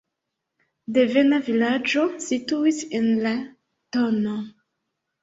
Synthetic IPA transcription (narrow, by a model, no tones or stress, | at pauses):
devenavilad͡ʒo̞situisenla | tono